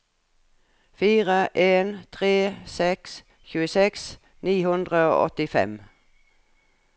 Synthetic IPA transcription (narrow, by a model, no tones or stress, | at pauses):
fiːʁəʔeːnt̪ʰʁeːsɛks | çʉːəsɛks | niːhʉnd̪ʁəo̰ːʔɔ̰t̪ɪfɛ̰m